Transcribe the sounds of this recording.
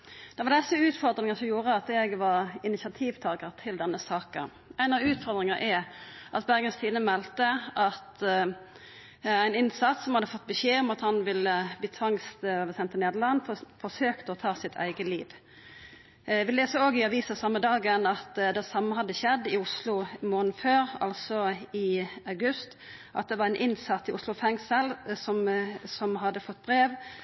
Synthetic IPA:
d̪̥ɛʋɑʁd̪ɛsəʉːt̪fɔʁd̪ɾɪŋəsɔmjuːɾəɑt̪ɛɡʋɑɾɪnɪsɑt̪ʰiːʋt̪ʰɑːɡəɾt̪ʰɪld̪ɛnːəsɑːkə̰n | ʔæɪnɑʋʉːt̪fɔɾd̪ɾɪŋəʔɛʔɑt̪bæʁɡənst̪ʰiːnəmɛlt̪əʔɑt̪ | æɪnɪnsɑt̪ssɔmhɑd̪ːəfɔt̪̚ːbəɕeːɔmɑt̪hɑnʋɪləbliːt̪ʰʋɑŋst̪ːbəsɛnt̪əneːd̪əlɑnffɔsøːkt̪əɔt̪ʰɑːsɪt̪ʰæ̰ɪɡəlḭːʋ | ʋɪleːsəoːɡɪɑʋiːsəsɑmːəd̪ɑːɡənɑt̪d̪ɛsɑmːəɦɑd̪ːəçɛd̪ːɪʊslʊmoːnn̩føːɾɑ̰lsɔɪɑʉɡʉst̪ | ʔɑ̰t̪̚d̪ɛʋɑɾæɪnʔɪnsɑt̪ːɪʔʊslʊfɛŋsəlsɔmsɔmɦɑd̪ːəfɔt̪ːbɾeːʋ

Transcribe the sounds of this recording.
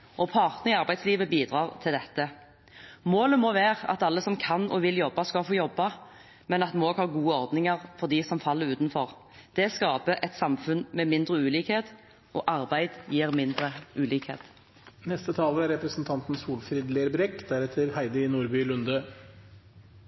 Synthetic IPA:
ʔɔpʰɑʁt̪nəʁɪɑʁbæɪd̪sliːʋəbiːd̪ʁɑːʁt̪ʰɪld̪ɛt̪ːə | moːləmɔʋeːʁɑ̰t̪ɑlːəsɔmkʰɑnʔɔʋɪljɔbːɑskɑfoːjɔbːɑ | mɛnɑt̪moːɡhɑːɡuːəɔʁd̪nɪŋəʁfɔd̪isɔmfɑlːəɾʉːt̪nfɔʁ | d̪̥ɛskɑːpəʔɛt̪sɑmfʉnmɛmɪnd̪ʁəʉːliːkheːt̪ | ʔɔːʔɑʁbæɪd̪jiːʁmɪnd̪ɾəʔʉːliːkhḛːt̪ | nɛst̪ət̪ʰɑːləæɾɛpɾəsn̩t̪ʰɑnt̪n̩suːlfɾiːd̪leːɾbɾɛkːd̪æɾɛt̪ʰəɾhæɪd̪əɪnuːɾbyːlʉnd̪ə

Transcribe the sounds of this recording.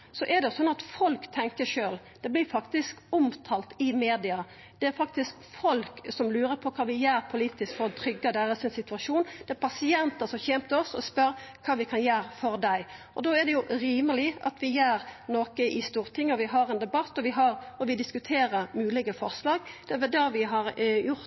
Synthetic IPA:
sɔʔɛd̪ɛjʊsɔnːɑt̪fɔlkt̪ʰɛŋkəʂøːl | d̪̥ɛblɪɾfɑkt̪ɪskʊmt̪ʰɑːlt̪ɪmeːd̪ɪɑ | d̪̥ɛæɾfɑk̚t̪ɪskfɔlksɔmlʉːɾəpʰɔkʰɑːʋɪjæːɾpʰʊliːt̪ɪskfɔɾɔt̪ʰɾʏɡːɑd̪æːɾəsɪnsɪt̪ʉɑʂuːnd̪̥ɛæɾpʰɑsɪɛnt̪əsɔmçɛmt̪əɔsːɔ̰spœɾkʰɑːʋɪkʰɑnjæːɾfɔɾd̪æɪʔɔ̰d̪oæʁd̪ɛjʊʔɾiːməlɪʔɑ̰t̪ʋɪjæːɾnoːkəʔɪst̪uːɾt̪ʰɪŋːɔʋɪɦɑɾɛnd̪ɛbɑt̪ːɔʋɪɦɑɾɔʋɪd̪ɪskʉt̪ʰeːɾəɾmʉːlɪɡəfɔʁslɑːɡd̪ɛæʋɛld̪ɑːʋɪɦɑɾjʊɾt̪

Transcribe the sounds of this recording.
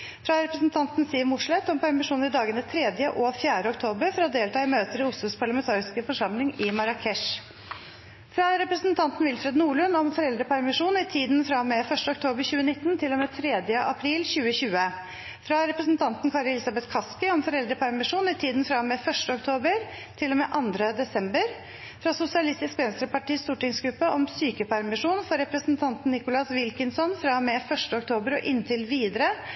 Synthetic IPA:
fɾɑɾɛpɾəsnt̪ʰɑnt̪n̩st̪iːʋmʊʂɭɛt̪ːɔmpʰæɾmɪʂuːnɪd̪ɑːɡənət̪ʰɾɛːd̪jəʔɔfjæːɖəɔkt̪ʰoːbəɾfɔɾɔd̪eːlt̪ɑːɪmøːt̪əɾɪʊslʊspʰɑɭɑmɛnt̪ʰɑːɾɪskəfɔʂɑmlɪŋɪmɑɾɑkʰɛʂ | fɾɑɾɛpɾəsnt̪ʰɑnt̪n̩ʋɪlfɾɛd̪nuːɭʉnɔmfɔɾɛld̪ɾəpʰæɾmɪʂuːnɪt̪ʰiːd̪nfɾɑmɛfœʂʈəɔk̚t̪ʰoːbəɾçʉːənɪt̪ːnt̪ʰɪlɔmeːt̪ʰɾeːd̪jəʔɑpʰɾiːlɕʉːəɕʉːə | fɾɑɾɛpɾəsn̩t̪ʰɑnt̪nkʰɑɾɛlɪsɑbɛt̪kʰɑskɪɔmfɔɾɛld̪ɾəpʰæɾmɪʂuːnɪt̪ʰiːd̪n̩fɾɑmɛːfœʂʈəɔk̚t̪ʰoːbəɾ | t̪ʰɪlːɔmeːʔɑnd̪ɾəd̪ɛsɛmbəɾ | fɾɑsʊsɪɑlɪst̪ɪskʋɛnst̪ɾəpɑʈiːst̪uːʈɪŋsɡɾʉpːəʔɔmsyːkəpʰæɾmɪʂuːnfɔɾɛpɾəsnt̪ʰɑnt̪n̩nːɪkʊlɑsʋɪlkɪnsɔnfɾɑmɛːfœʂʈəɔkt̪ʰoːbəɾɔ̰ʔɪnːt̪ʰɪlʋiːd̪əɾə

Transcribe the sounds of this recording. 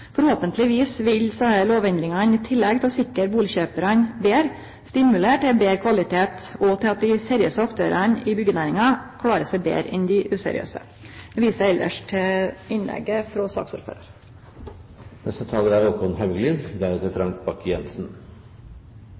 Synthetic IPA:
fɔɾhoːpənt̪ʰlɪʋiːsʋɪlsɑəloːʋɛnd̪ɾɪŋɑnɪt̪ʰɪlːɛɡt̪ʰɛlɔsɪkːəɾbuːlɪçøːpəɾɑnbeːɾ | st̪ɪmʉleːʈɛbeːɾkʰʋɑlɪt̪ʰeːt̪ɔt̪ʰɪlɑt̪̚d̪ɪseɾɪø̰ːsəɑkt̪ʰøːɾʔənɪbʏɡənæːɾɪŋɑkʰlɑːɾəsæɪbḛːɾɛnd̪ɪʔʉːsɛ̰ɾɪ̰ø̰ːsə̰ | ʋiːsəɛld̪ə̰ʂʈʰɪɪnlɛ̰ɡːəfɾɔsɑ̰ːksʊɾfø̰ːɾəɾ | nɛst̪ət̪ʰɑːləɾæɾɔkʊnhæʋɡlɪnd̪æɾʉːt̪əfɾɑŋk̚bɑkjɛnsn̩

